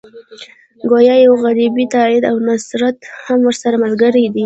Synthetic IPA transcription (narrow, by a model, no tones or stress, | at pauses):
ɡojɑjawɣaɾibit̪ɑɪd̪awnasɾat̪hamwəɾsaɾamalɡəɾad̪i